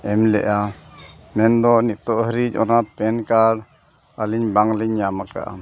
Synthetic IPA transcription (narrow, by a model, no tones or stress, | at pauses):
ɛmlɛ̰ʔa | mɛnd̪ɔniʔt̪ɔʔɦəɾid͡ʒɔ̰napɛnkaɽ | aliɲbaŋliɲːamaka̰ʔa̰